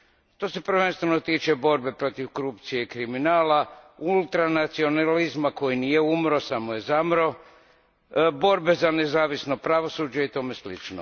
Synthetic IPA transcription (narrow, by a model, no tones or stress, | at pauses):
t̪o̞se̞pɾ̩ʋe̞nst̪ʋenot̪iːt͡ʃe̞bo̞ɾbe̞pɾo̞t̪iʋko̞ɾupt̪sije̞ikɾiminaːlaulˠt̪ɾanat̪sio̞nalizmako̞jinijeumɾo̞samoje̞zamɾo̞ | bo̞ɾbe̞zanezaːʋisno̞pɾaʋo̞suːd͡ʒeit̪o̞ːme̞slit͡ʃno̰